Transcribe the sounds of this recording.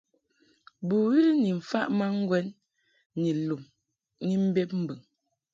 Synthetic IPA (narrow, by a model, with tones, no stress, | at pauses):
bu˨wi˦li˦ni˨m̩˨fa˦ʔma˦ŋ̩˦ɡwɛ˦nː | i˨lu˨m | ni˦m̩˦be˦p̚m̩˦bɨ˨ŋ